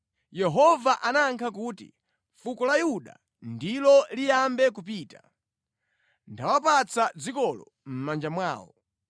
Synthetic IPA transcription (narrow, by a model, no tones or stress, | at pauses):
jɛɦɔvaʔanaŋkʰak̬uːtḭ | fukɔlajuɗa̰ | ndilɔlijambɛkup̬iːta | ndawapat͡sad͡zikɔlɔ̰ | m̩mand͡ʒamwaːwɔ̰